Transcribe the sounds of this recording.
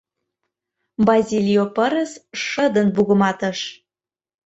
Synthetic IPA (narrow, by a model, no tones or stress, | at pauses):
bɑzʲilʲjopəɾə̆sʃəd̪ənbuɣə̆mɑt̪ə̆ʃ